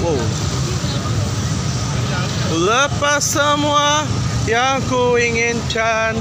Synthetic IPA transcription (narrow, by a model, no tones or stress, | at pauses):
o | ləpasəmwajaŋkuiŋɪnt͡ʃan